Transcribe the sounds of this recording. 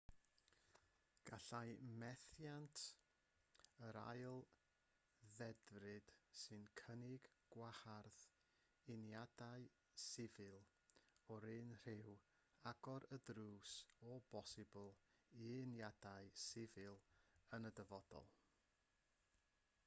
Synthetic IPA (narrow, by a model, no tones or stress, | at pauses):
ɡ̥aɬajmɛθjantʰ | əɾa̰jlˠ | ðɛdrɨd̥sɨnkʰənɪɡɡ̥waharð | ɪnjadaɨ | sɪvɨlˠ | ɔɾɨnr̥ɪw | aɡɔɾədruːsɔbɔsɪblˠiɪnjadaɨsɪvɨlˠənədəvɔd̥ɔ̰lˠ